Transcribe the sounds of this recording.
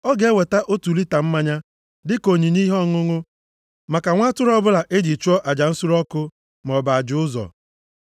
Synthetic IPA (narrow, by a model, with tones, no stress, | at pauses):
ɔ˦ɡe˨˦we˨ta˦ʔo˦tu˨li˦ta˨m̩˦ma˦ɲa˦ | dɪ˦ko˨ɲi˨ni˦ɦɔ˦ŋʊ˦ŋʊ˦ | ma˨ka˨ŋʷa˦tʊ˦ɾɔ˦bʊ˦la˨ʔe˦d͡ʒi˨t͡ʃu˦ɔ˦ʔa˨d͡ʒa˨n̩˦sʊ˦ɾɔ˦kʊ˦ | m˨ɔ˨ba˨a˨d͡ʒʊ˨˦ʊ˦zɔ̰˨